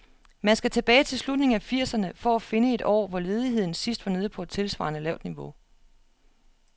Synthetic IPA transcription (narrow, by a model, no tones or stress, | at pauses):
mænsɡ̥æt͡sʰe̝b̥ɛːɪt͡sʰe̝lslud̥ne̝ŋ̩æfiɐ̰sɐnəfɒæfe̝nəe̝d̥ɒ̰ːʋɒle̝ːð̞ˠiɦe̝ð̞̰ˠn̩sisd̥ʋɑ̈ne̝ð̞̩ˠpʰɒ̽ed̥̚t͡sʰe̝lsʋɑ̰̈nəlɛʊd̥niʋo̝